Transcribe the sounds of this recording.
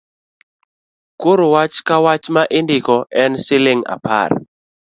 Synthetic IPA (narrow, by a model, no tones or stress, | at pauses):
koɾowat͡ʃkawat͡ʃmaʔɪndɪkɔʔɛnsɪlɪŋa̰pa̰r